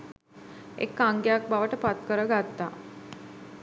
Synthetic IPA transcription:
ḛkːaŋɡejak̚baʋəʈəpat̪kəɾəɡat̪ːa̰

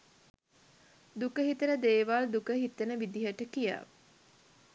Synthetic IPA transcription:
d̪ukəɦit̪ənəd̪eːʋaːld̪ukəɦit̪ənəʋid̪iɦəʈəkija̰

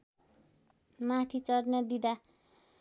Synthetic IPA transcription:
mat̪ʰit͡sʌrnad̪id̪a

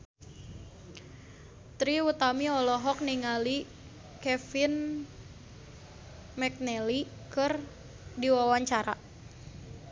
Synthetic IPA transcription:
t̪ɾiut̪amiɔlɔɦɔk̚niŋali | kɛfin | mɛk̚nɛlikɨr | diwawaɲt͡ʃaɾa̰

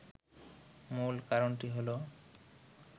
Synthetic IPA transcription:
mulkaɾonʈiɦolo

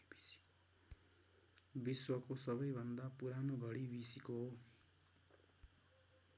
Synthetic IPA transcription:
biswʌkosʌβʌjbʱʌnd̪apuɾanoɡʱʌɽibisikoɦo

